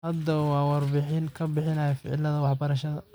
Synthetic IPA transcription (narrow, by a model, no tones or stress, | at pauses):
hɐd̪ɐwɑːwɑrbɪħɪnkʰɐbɪħɪnɐjɐfɪ̰ʕɪ̰lɐðɐwɑħbɐɾɐʃɐðɐ